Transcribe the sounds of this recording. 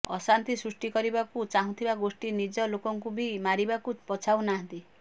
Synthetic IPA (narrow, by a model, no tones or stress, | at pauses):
ɔsant̪isɾusʈikɔɾibakut͡ʃaɦũt̪ʰibaɡosʈinid͡ʒɔlokɔŋkubimaɾibakupɔt͡ʃʰawnaɦãnt̪i